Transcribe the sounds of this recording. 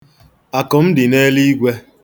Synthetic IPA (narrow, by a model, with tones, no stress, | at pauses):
a˨kɔ˨m̩˦dɪ˨ne˦li˦ɡʷe˦